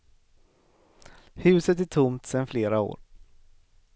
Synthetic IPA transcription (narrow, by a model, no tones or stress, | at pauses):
hʉ̟ːsət̪æʈʰʊmt̪sɛnfleːɾao̰ːɾ